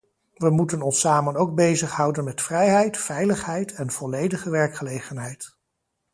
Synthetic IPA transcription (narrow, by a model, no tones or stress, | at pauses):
ʋəmutənɔnsaːmənowɡ̚bejzəχɦʌwdənmɛtfrɛjɦɛjtfɛjləχɦɛjtʰɛnv̥ɔlejdəχəʋɛɹkχəlejχənɦɛjt